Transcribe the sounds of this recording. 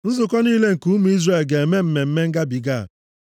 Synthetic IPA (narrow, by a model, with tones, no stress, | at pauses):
n̩˦zʊ˨kɔ˦niː˦le˦ŋ̩˨ku˦mu˨˦i˦zɾe˨lɡe˨e˨me˦m̩˨me˨m̩˦me˦ŋ̩˦ɡa˦bi˨ɡa˦˨